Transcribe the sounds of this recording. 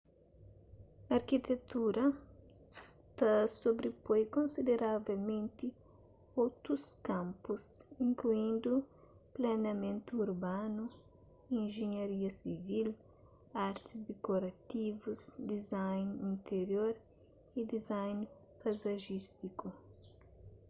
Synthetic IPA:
ɐɾkit̪et̪uɾɐ | t̪asobɾepojkõnsid̪eɾavelmẽnt̪i | owt̪ɾuskãmpusĩŋkluĩnd̪u | planɐmẽnt̪uːɾbanu | ĩnʒeɲɐɾiɐsivil | aɾt̪izd̪ekoɾɐt̪ivuzd̪izajnĩnt̪eɾjoɾ | id̪izajn | pazɐʒist̪iku

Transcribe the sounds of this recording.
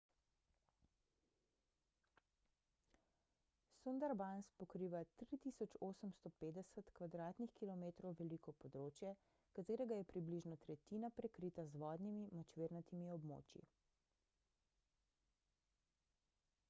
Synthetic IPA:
sund̪aɾbanspɔkɾiːʋat̪ɾit̪isɔt͡ʃoːsəmst̪ɔpeːd̪ɛsət̪kʋad̪ɾaːt̪nixkilɔmeːt̪ɾɔwʋɛlikɔpɔd̪ɾoːt͡ʃjɛ | kat̪eːɾɛɡajɛpɾibliʒnɔt̪ɾɛt̪inapɾɛkɾiːt̪azʋɔːd̪nimimɔt͡ʃʋeːɾnat̪imiɔbmo̰ːt͡ʃjḭ

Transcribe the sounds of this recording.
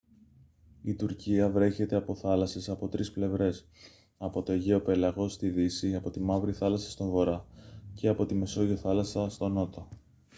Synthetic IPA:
it̪uɾciɐvɾe̞çe̞t̪e̞ɐpo̞θɐlɐsesɐpo̞t̪ɾisple̞vɾe̞s | ɐpo̞t̪o̞ʝe̞o̞pe̞lɐɣo̞st̪iðisiɐpo̞t̪imɐvɾiθɐlɐsɐ̥st̪oɱvo̞ɾɐce̞ɐpo̞t̪ime̞so̞ʝoθɐlɐsɐst̪o̞no̞t̪o̞

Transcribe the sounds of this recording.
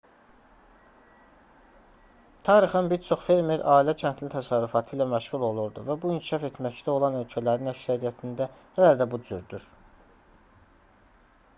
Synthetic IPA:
t̪ʰɑːɾixɑnbiɾt͡ʃʰo̞χfe̞ɾmeɾʔɑːilæcʰænt̪ʰlit̪ʰæsɑɾːufɑt̪ʰɯilæmæʃʁulˠo̞lˠuɾd̪uvæbuincʰi̥ʃɑfe̞t̪mæct̪æo̞lˠɑnø̞lcʰælæɾinæcsæɾijæt̪ʰind̪æhææld̪æbud͡ʒyɾd̪yɾ̥

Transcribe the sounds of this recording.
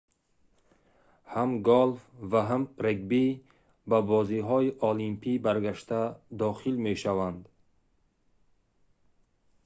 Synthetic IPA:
hamɡɔlfvaɦamɾeɡ̚bi | babɔziɦɔiʔɔlimpʰibaɾɡaʃt̪ad̪ɔχilmeʃavand̪

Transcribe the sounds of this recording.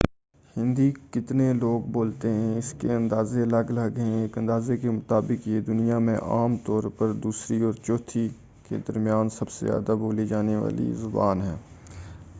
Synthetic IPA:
hɪ̃nd̪ikɪt̪neloːɡboːlt̪eɦɛ̃ɪskeɐ̃nd̪aːzeɐləɡlɐɡeɛ̃eːkɐ̃nd̪aːzekemʊt̪aːbɪkjed̪ʊnijamḛ̃ʔaːmt̪ɔːɾpəɾd̪uːsɾiɔːɾt͡ʃɔːt̪ʰi | kḛd̪ɐɾmjaːnsɐbsḛzja̰ːd̪aboːlid͡ʒaːneʋa̰ːlḭzʊba̰ːnɦɛː

